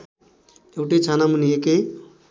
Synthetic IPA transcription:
ewʈet͡sʰanamunijeke

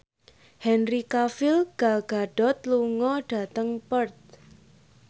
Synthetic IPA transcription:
hɛnrikafɪlɡ̥alɡ̥a̤ɖ̥ɔ̤t̪̚luŋɔɖ̥ä̤t̪əŋpərt̪̚

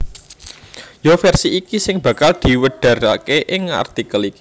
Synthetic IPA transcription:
jofɛrsiːkisɪŋb̥ä̤kald̪̥i̤wəɖ̪̥ä̤ɾa̰keʔɪŋa̰rt̪ikəliki̥

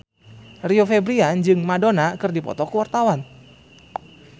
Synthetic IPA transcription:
riofɛbɾiand͡ʒɨŋmadonakɨrdipɔ̰t̪ɔkuwart̪awan

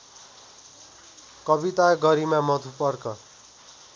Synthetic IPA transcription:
kʌbit̪aɡʌɾimamʌt̪ʰupʌrkʌ

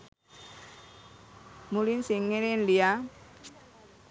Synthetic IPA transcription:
mulinsiŋeɾenlia

